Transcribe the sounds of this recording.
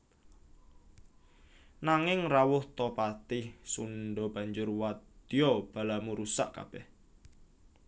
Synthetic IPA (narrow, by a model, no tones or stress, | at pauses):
naŋɪŋrawʊht̪ɔpat̪ɪhsunɖɔb̥a̤ɲd͡ʒʊrwat̪d̪̥iɔb̥a̤lamuɾusaʔka̰b̥ɛh